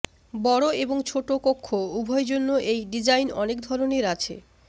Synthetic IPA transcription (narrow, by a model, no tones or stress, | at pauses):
bɔɽoeboŋt͡ɕʰoʈokokʰːoubʱɔed͡ʑonːoʔejɖid͡ʑajnɔnekd̪ʱɔɾoneɾat͡ɕʰḛ